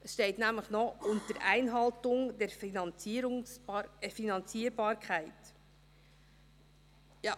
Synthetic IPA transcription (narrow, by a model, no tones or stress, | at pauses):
ʔəsʃtɛɪtnæmləχnɔʊntəɾʔæɪnɦɑltʊŋd̥ɛɾfinɑnt͡siɾʊŋɛfinɑnt͡siːəɾbɑːɾkʰχæɪt | jɑː